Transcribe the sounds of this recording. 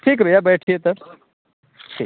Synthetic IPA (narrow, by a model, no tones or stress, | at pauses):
ʈʰiːk̬ɾɐjabɛːʈʰiet̪ɐɾ | ʈʰi